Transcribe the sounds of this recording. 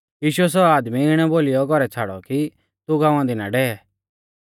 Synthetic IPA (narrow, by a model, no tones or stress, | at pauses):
jiːʃʊɛs̬ɔaːd̪miɪɽ̃ɛboːlɪjɔɡɔɾɛt͡sʰaːɽɔ̰ki | t̪uɡãːʊãd̪ɪna̰ɖɛːɛ